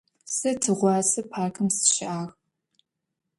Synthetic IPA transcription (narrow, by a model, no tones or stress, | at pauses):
sɐtʰɨʁʷɑːsɐpʰaːrkʰɨmsɨ̥ʃɪʔaːʁ